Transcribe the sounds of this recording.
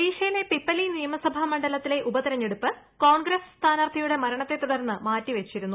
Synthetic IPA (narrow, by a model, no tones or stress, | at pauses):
iːʂɐjile̞pipːɐlinijɐmɐsɐbʱɐmɐɳɖɐlɐt̪ːile̞ʔubɐt̪iɾɐɲːeɽupːɨ | ko̞ːɳɡɾɐsst̪ʰaːnart̪ʰɐjuɽe̞mɐɾɐɳɐt̪ːe̞t̪ːuɽɐrnːɨmaːtːiʋet͡ɕːiɾunːu